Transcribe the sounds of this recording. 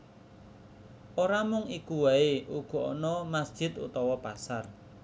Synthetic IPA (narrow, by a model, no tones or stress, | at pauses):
oɾamʊŋikuwaeʔuɡ̥ɔ̤ɔnɔmasd̥ʒ̥ɪ̤t̪ṵt̪ɔwɔpasar